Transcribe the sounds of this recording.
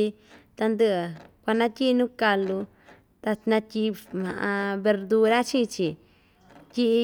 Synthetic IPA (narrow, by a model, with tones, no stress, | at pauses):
i˧ | t̪a˧nd̪ɨ˧˨kʷa˧nã˦t̪ʲi˦˧nũː˦ka˧lu˧ | t̪a˧nã˧tʲi˧mã̰˨ʔã˧βe˧ɾd̪u˧ɾa˦t͡ʃĩ˦˧t͡ʃi˨ | tʲi˦ʔ